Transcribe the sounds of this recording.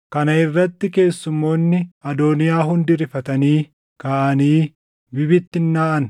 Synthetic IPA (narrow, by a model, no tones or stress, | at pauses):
kɐnɐɪrːɐt̪ːɪke̞ːsːʊmːo̞ːnːɪɐd̪oːnɪjaːɦʊnd̪ɪɾɪfɐt̪ɐniː | kɐʔɐniː | bɪbɪt̪ːɪnːaːʔɐn